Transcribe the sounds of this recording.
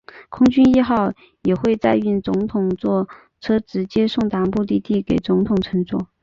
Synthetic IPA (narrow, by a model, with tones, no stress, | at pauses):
kʰʊ˥ŋt͡ɕy˥ni˥˧xɑ˥˩ʊ | jɛ˨˩xwe˥˧ɪt͡sa˥˧ɪy˥˩nt͡sʊ˧˥ŋt̪ʰʊ˨˩ŋt͡swɔ˥˩ | ʈ͡ʂʰɤ˥ʈ͡ʂɻ̩˧˥t͡ɕjɛ˥ʂʊ˥˩ŋt̪a˧˥ŋpu˥˧t̪i˥˧t̪i˥˩ke˨˩ɪt͡sʊ˧˥ŋt̪ʰʊ˨˩ŋʈ͡ʂʰɤ˧˥ŋt͡swɔ̰˥˩